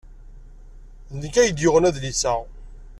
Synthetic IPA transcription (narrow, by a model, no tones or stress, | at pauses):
nəkːæjəd̪jʊʁənæðlisæ